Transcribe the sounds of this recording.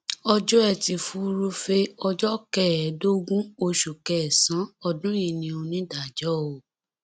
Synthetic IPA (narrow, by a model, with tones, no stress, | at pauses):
ɔ˧d͡ʒɔ˦ɛ˦˧˨ti˧fu˧ɾu˧fe˧ɔ˧d͡ʒɔ˦kɛ˦˨ɛ˨˦do˦ɡũ˦o˧ʃu˨kɛ˨sã˨˦ɔ˧dũ˦ji˧˨nĩ˧o˧nĩ˦da˨d͡ʒɔ˦o˨